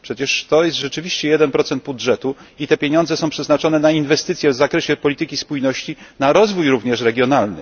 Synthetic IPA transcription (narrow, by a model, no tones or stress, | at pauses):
pʂɛt͡ɕɛʂt̪ɔjɛst̪ʐɛt͡ʂɘvʲiɕt͡ɕɛjɛd̪ɛnpɾɔt̪sɛnd̪̚budʐɛt̪uit̪ɛpʲjeɲɔ̃nd̪zɛsɔ̃w̃pʂɛznat͡ʂɔnɛnainvɛst̪ɘt̪sʲjɛvzakɾɛɕɛpɔlʲit̪ɘkʲispujnɔɕt͡ɕinaɾɔzvujɾuvɲɛʂɾɛɡʲjɔnalnɘ̰